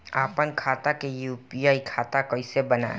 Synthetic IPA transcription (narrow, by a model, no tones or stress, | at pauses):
aːpənkʰaːt̪akejuːpiaːikʰaːt̪akoisebɐna̰ː